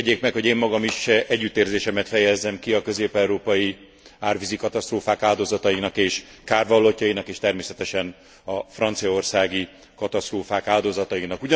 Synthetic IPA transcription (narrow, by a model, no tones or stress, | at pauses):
ɟeːkmɛkho̞ɟeːmːɒɡɒmiʃɛɟːyt̪ːeːrzeːʃɛmɛt̪fɛjɛzːɛmkiɒkø̞zeːpɛwɾoːpɒji | aːrvizikɒt̪ɒst̪roːfaːkaːld̪ozɒt̪ɒinɒkeːʃ | kaːrvɒlːo̞cːɒinɒkeːʃt̪ɛrmeːsɛt̪ɛʃɛn | ɒfrɒnt̪sijɒorsaːɡi | kɒt̪ɒst̪roːfaːkaːld̪ozɒt̪ɒinɒkuɟ